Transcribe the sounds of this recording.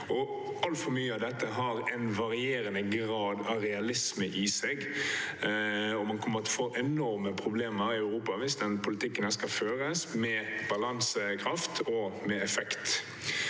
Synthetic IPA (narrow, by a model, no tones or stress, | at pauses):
ɔ | ɑlt̪fɔɾmyːəɑd̪ɛt̪ːəɦɑɾɛnʋɑɾɪeːɾənəɡɾɑːd̪ɑɾɛɑlɪsməʔɪsɛɡ | ɔmɑnkʰɔmːəɾɔt̪foːʔɛnɔɾməpʰɾʊbleːməɾɪœʉɾuːpɑʋɪsd̪ɛnpʰʊlɪt̪ʰɪkːənəskɑføːɾəsmɛb̥ɑlɑŋsəkʰɾɑft̪ʰɔmɛɛfɛkt̪